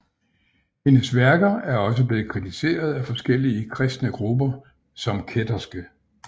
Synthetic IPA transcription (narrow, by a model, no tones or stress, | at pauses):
he̝nəsʋæɐɡ̥ɐæɐɒ̽s̬əb̥le̝ːð̩ˠkʰʁit͡sʰise̝̰ːɐð̞̩ˠæfɒ̽sɡ̥el̰iəkʰʁɛsd̥nəɡ̥ʁubɐ | sɒ̽mkʰed̥ɐsɡ̥ə